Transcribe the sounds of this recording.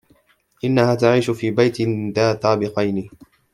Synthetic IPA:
ʔɪnːahaːt̪aʕiːʃʊfiːbajt̪ɪnðaːt̪aːbɪqɑjnɪ

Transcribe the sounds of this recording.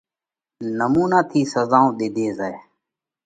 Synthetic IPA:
nəmuːnaːt̪ʰiːsəzaːõːɗ̪eːd̪ʱeːzae

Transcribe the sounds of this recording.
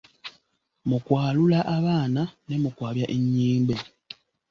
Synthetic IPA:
mukwaːlulaʔaβaːnane̞mukwaːβjaʔeɲːiːmbe

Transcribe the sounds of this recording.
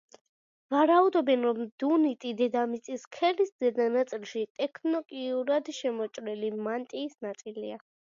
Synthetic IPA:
vaɾaud̪ɔbɛnɾɔmd̪unit̪ʼid̪ɛd̪amit̪sʼiskʰɛlisd̪ɛd̪anat̪sʼilˠʃit̪ʼɛkʰnɔkʼiuɾad̪ʃɛmɔt͡ʃʼɾɛlimant̪ʼiːsnat̪sʼilia

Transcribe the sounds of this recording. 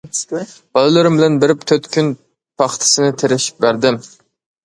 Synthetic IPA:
b̥ɑlˠɨlˠɨɾɨmbɪlɛnbɪɾɪpt̪ʰøt̪kʲʰyn | pʰɑχt̪ʰɨ̥sɨnɪt̪ʰeɾɪʃi̥p̚bæɾd̪ɪm

